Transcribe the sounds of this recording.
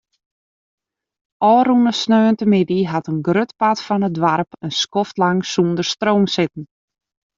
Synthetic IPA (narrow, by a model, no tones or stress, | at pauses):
ʔɔːrunəsnøːəntəmɪdiɦatənɡrøtpatfɔnədʋarpənskɔftlaŋsundərstroːmsɪtn̩